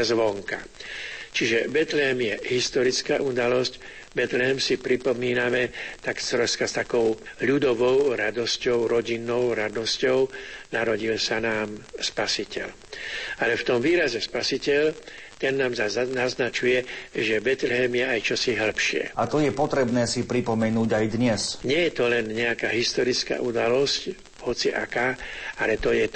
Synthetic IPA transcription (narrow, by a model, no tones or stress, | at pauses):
zʋɔŋka̰ | t͡ʃiʒɛbɛt̪lɛɦɛmjɛɦist̪ɔɾit͡skaːʔud̪alɔsc | bɛt̪lɛɦɛmsipɾipɔmiːnamɛt̪aksɾɔskast̪akɔʊʎud̪ɔʋɔʊɾad̪ɔscɔʊɾɔɟinːɔʊɾad̪ɔscɔʊnaɾɔɟilsanaːmspasicɛ̰l | alɛft̪ɔmʋiːɾazɛspasicɛʎ | t̪ɛnːaːmzaznaznat͡ʃujɛʒɛbɛt̪lɛɦɛmjɛajt͡ʃɔsiɦl̩pʃɪɛ̰at̪ɔjɛpɔt̪ɾɛbnɛːsipɾipɔmɛnuːɟajd̪ɲɛsɲɪɛjɛt̪ɔlɛnɲɛakaːɦist̪ɔɾit͡ska̰ːʔud̪alɔsc | hɔt͡siʔa̰kaːalɛt̪ɔjɛ